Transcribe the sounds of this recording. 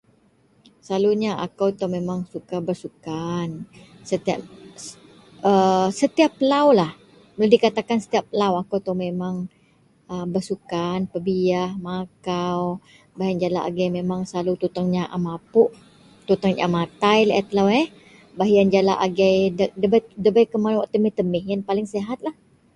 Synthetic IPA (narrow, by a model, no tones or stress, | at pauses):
saluɲaa̰kawt̪ɔmemaŋsukabərsukan | sət̪ia | əsət̪iapːəlawlah | məladikat̪akansə̥t̪iapːəlawakawt̪ɔmemaŋ | əbərsukanpəbiahmakaw | baɦiand͡ʒala̰ʔa̰ɡajmemaŋslalut̪ut̪aŋɲaʔamapʊʔ | t̪ut̪aŋɲa̰amat̪ajlʔat̪əlawɛh | baɦjand͡ʒala̰ʔa̰ɡajdədəbadəbajkəmanwaʔt̪əmɪht̪əmɪhjanpalɪŋseɦat̪̚lah